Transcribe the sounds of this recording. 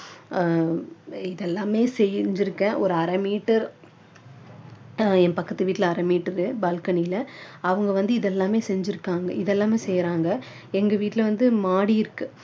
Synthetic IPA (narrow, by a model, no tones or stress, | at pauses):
ɪðɛlːaːmeːsɛjɲd͡ʒɪɾɯkːɐ̃ʔɔɾɯɐɾɐmiːʈːɐɾ | ɛnpɐkːɐt̪ːɯʋiːʈːɪlɐɐɾɐmiːʈːɐɾɯbaːlkɐnɪjlɐɐʋɐŋɡɐʋɐnd̪ɯɪðɛlːãːmeːsɛɲd͡ʒɪɾɯkːaːŋɡɐ̰ɪðɛlːaːmeːsɛjɾaːŋɡɐ | ɛŋɡɐʋiːʈːɪlɐʋɐnd̪ɯmaːɽijɪɾɯkːɯ